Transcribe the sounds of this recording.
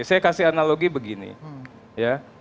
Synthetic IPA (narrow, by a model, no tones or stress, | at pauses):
sajakasɪɦanaloɡibəɡinḭ | ja